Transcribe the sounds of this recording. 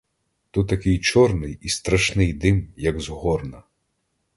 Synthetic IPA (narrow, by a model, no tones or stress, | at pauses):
t̪ut̪ːɐkɪjt͡ʃɔrnɪjist̪ɾɐʃnɪjd̪ɪmjɐɡzɦɔrnɐ